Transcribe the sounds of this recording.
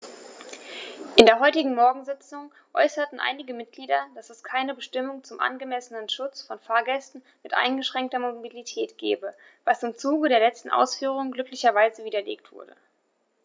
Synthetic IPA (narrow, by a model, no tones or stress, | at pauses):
ʔɪndeːɐɦɔʏtɪɡŋ̩mɔɐɡŋ̩zɪt͡sʊŋ | ʔɔ̰ʏsɐtn̩ʔa̰ɪnɪɡəmɪt̚ɡ̥liːdɐd̥asɛskʰaɪnəbəʃtɪmʊŋt͡sʊmʔa̰nɡəmɛsənənʃʊt͡sfɔnfaːɐɡɛstn̩ | mɪtʔa̰ɪnɡəʃʁ̥ɛŋk̚tɐmobilitʰɛːtɡ̥ɛːbə | vasɪmt͡suːɡədeːɐlɛt͡stn̩ʔa̰ʊsfyːʁ̞ʊŋɡlʏklɪçɐvaɪzəviːdɐlḛːktv̥ʊ̰ɐdə̰